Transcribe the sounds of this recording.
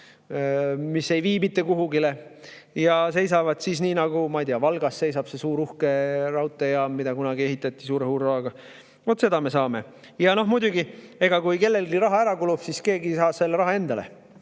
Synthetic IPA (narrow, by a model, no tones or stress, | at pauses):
misːe̞jviːmit̪ːˑekuɦuɡile̞ | jɑs̬e̞jsɑvɑd̪̥sisniːnɑɡumɑjt̪iɑvɑlɡ̥ɑsːe̞jsɑb̥se̞suːɾuhke̞rɑwt̪ːˑejɑmːid̪ɑkunɑɡ̥ie̞ɦit̪ːˑɑt̪ːˑisuːɾehuːɾrɑɦɑɡ̥ɑ | vot̪ːˑse̞d̪ɑme̞sɑːme̞ | jɑno̞ɦmud̪ʲuɡie̞ɡ̥ɑkujke̞lːe̞lɡiɾɑɦɑæɾɑkulub̥siske̞ːɡisɑːse̞lːeɾɑɦɑe̞nd̪ɑle̞̰